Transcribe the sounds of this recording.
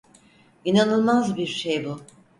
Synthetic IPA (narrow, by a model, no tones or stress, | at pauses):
inanɯlˠmazbiɾʃejbu